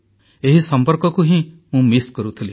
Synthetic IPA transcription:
eɦisɔmpɔɾkɔkuɦĩ | mũmiskɔɾut̪ʰili

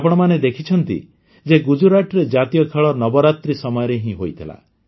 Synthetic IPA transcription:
apɔɽ̃ɔmaned̪ekʰit͡ʃʰɔnt̪ḭ | d͡ʒeɡud͡ʒuɾaʈɾed͡ʒat̪ijɔkʰeɭɔnɔbɔɾat̪ɾisɔmɔjɔɾeɦĩɦojt̪ʰila̰

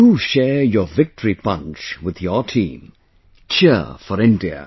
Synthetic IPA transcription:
uʃɛːjəvɪk̚tʰəɹipʌ̃nt͡ʃwɪðjətʰḭ̃ːm | t͡ʃʰɪfəɾɪ̃ndiə̰

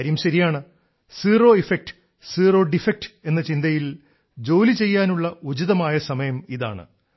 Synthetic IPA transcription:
ɐɾɐjumɕɐɾijaːɳɨ | siːro̞ːifek̚ʈ | siːro̞ːɖifek̚ʈɨ̥e̞nːɐt͡ɕind̪ɐjil | d͡ʑo̞ːlit͡ɕe̞jːaːnuɭːɐud͡ʑiðɐmaːjɐsɐmɐjɐmiða̰ːɳɨ̰

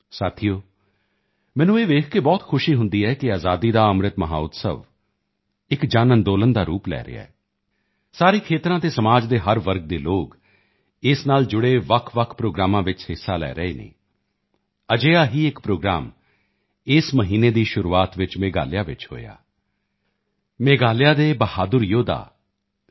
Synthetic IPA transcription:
saːt̪ʰijoː | mɛ̃ːnũːeːʋeːkʰkeːbɔːt̪kʰʊʃiːɦʊ̃nd̪iːɛːkɪaːzaːd̪iːd̪aːəmɾɪt̪məɦa̰ːʊt̪sə̰ʋ | ɪkd͡ʒaːnənd̪oːlənd̪aːɾuːplɛ̰ːɾḛa̰ːɛː | saːɾiːkʰeːt̪ɾãːt̪eːsəmaːd͡ʒd̪eːɦəɾʋəɾɡ̚d̪eːloːk | ɪsnaːld͡ʒʊɽeːʋəkʰʋəkʰpɾoːɡɾaːmãːʋɪt͡ʃhɪsːaːlɛ̰ːɾəeːnḛː | əd͡ʒeːaːɦiːɪkpɾoːɡɾa̰ːm | ɪsməɦiːneːd̪iːʃʊɾuːaːt̪ʋɪt͡ʃmeːɡa̰ːlɪjaːʋɪt͡ʃɦo̰ːja̰ː | meːɡaːlɪjaːd̪eːbəhaːd̪ʊɾjoːd̪a̰ː

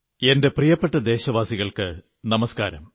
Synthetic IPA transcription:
e̞nde̞prijɐpːeʈːɐd̪e̞ːɕɐʋaːsiɣɐɭkɨ | nɐmɐska̰ːɾɐm

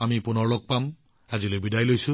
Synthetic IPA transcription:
amipunɔɹlok̚pam | ad͡ʒilojbidajlojsu

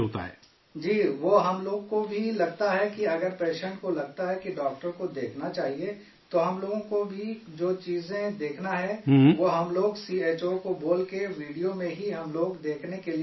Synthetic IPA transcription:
oːt̪a̰ɦɛ̰ː | d͡ʒiːʋoːɦɐmloːɡkobʱilɐɡ̚t̪aɦɛkiɐɡəɾpeːʃɛ̃ɳʈkolɐɡ̚t̪aɦɛkiɖɔːk̚ʈəɾkod̪eːkʰnat͡ʃaːɦie | t̪oɦɐmloːɡõkobʱi | d͡ʒoːt͡ʃiːzẽd̪eːkʰnaɦɛʋoɦɐmloːɡsieːt͡ʃokoboːlkeʋiːɖijomẽɦiɦɐmloːɡd̪eːkʰnekeli

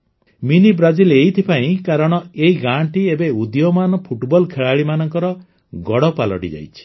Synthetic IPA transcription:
minibɾad͡ʒilejt̪ʰipaĩkaɾɔɽ̃ɔeiɡaɳʈiebeud̪jɔmanɔpʰuʈbɔlkʰeɭaɭimanɔŋkɔɾɔ | ɡɔɽɔpalɔ̰ʈḭd͡ʒa̰jt͡ʃʰi̥

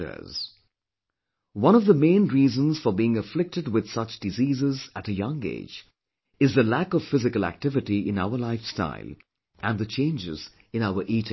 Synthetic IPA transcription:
ə̰z̥ | wʌ̃ñʌvðəmẽɪ̃nɹiːzə̃nz̥fə˞biːɪ̃ŋəflɪk̚tɨd̚wɪð̥sʌt͡ʃd̥ɨziːzɪzæɾɨjʌ̃ŋḛːd͡ʒ | ɨzðəlækʌv̥fɪzɨkəlˠæ̰k̚tɪvɪʈiɪ̰̃naʊə˞laɪfsta̰ɪlˠ | ʔɨ̃nðɨt͡ʃʰẽɪ̃nd͡ʒɪ̰z | ɨ̃naʊə˞ʔiːtɪ̃ŋ

